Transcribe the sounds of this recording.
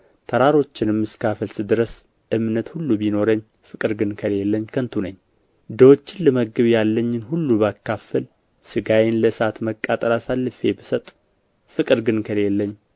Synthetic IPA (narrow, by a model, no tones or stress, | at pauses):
t̪ʰəɾaɾo̞t͡ʃːɪnɨmːɨskʰafəlsɨd̪ɨɾəs | ʔɨmnət̪hulːubino̞ɾəɲː | fɨkʼɨɾɡɨnkʰəle̞lːəɲːkʰənt̪ʰunəɲː | d̪əwot͡ʃːɪnlɨməɡɨβjalːəɲːɪnhulːuβəakʰːafəl | sɨɡajɪnləsat̪məkʼːat̪ʼəɾasalːɨfe̞bɨsət̪ʼ | fɨkʼɨɾɡɨnkʰəle̞lːəɲː